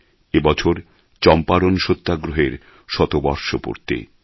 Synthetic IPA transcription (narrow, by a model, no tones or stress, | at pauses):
ebɔt͡ɕʰoɾ | t͡ɕɔmpaɾonʃot̪ːaɡɾoɦeɾ | ʃɔt̪obɔɾʃopo̰ɾt̪ḛ